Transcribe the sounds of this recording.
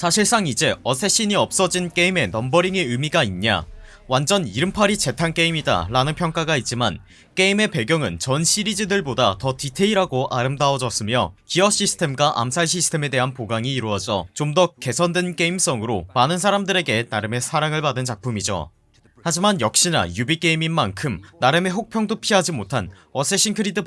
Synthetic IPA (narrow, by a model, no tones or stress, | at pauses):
sʰaɕʰiɭs͈aŋid͡ʑe̞ʌsʰe̞ɕ͈iɲiʌp̚s͈ʌd͡ʑink͈e̞ime̞nʌmbʌɾiŋeɯmiɡainɲa̰ | wand͡ʑʌniɾɯmpʰaɾit͡ɕe̞tʰank͈e̞imida̰ɾanɯnpʰjʌŋk͈aɡait̚t͡ɕ͈iman | k͈e̞ime̞pe̞ɡjʌŋɯnt͡ɕʌnɕʰiɾid͡ʑidɯɭbodatʌtitʰe̞iɾaɡoʔaɾɯmdaʌd͡ʑʌs͈ɯmjʌ̰kiʌɕ͈isʰɯ̥tʰe̞mɡwaʔa̰msʰaɭɕ̬ʰisʰɯ̥tʰe̞me̞de̞ɦanpoɡaŋiːɾuʌd͡ʑʌ̰t͡ɕomdʌke̞sʰʌndwe̞nk͈e̞ims͈ʌŋɯɾomanɯns̬ʰaɾamdɯɾe̞ɡe̞naɾɯme̞sʰaɾaŋɯɭpadɯnt͡ɕak̚pʰumid͡ʑo̰ | had͡ʑimanjʌk̚ɕ͈ina̰jubik͈e̞iminmankʰɯmnaɾɯme̞ɸok̚pʰjʌŋdopʰiɦad͡ʑimotʰanʌs͈ʰeɕ͈ʰinkʰɯɾidɯ